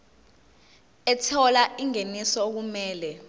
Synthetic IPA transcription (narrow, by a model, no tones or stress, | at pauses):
ɛtʰɔlaiŋenisɔok̬umɛːlɛ